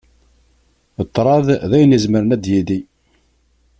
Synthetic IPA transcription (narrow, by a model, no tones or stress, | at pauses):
t̪ˤːɾˤɑððæjənizməɾənæd̪jiði